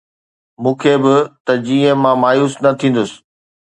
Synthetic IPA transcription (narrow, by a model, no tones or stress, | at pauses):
mũːkʰeːbɪt̪ɐd͡ʑiːə̃mãmaːjuːsnɐt̪ʰĩːn̆d̪ʊsɪ̥̆